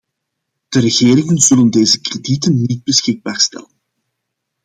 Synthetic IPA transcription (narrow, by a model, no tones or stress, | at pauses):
d̥əɾəɣeːɾɪŋənz̥ɵləndeːzəkreditənːid̚bəsxɪɡ̚baːrstɛ̰lən